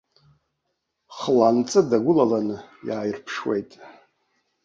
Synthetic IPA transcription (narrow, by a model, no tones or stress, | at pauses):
χlant͡sʼɨdaɡʷʊlalanɨjaːjrpʰʂwḛjtʼ